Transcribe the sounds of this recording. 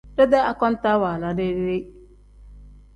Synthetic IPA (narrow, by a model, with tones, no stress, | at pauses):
dɛ˦da˦a˨kɔ˦n˦ta˦waː˨la˨˦ne˦ɾɪ˦ɾe˦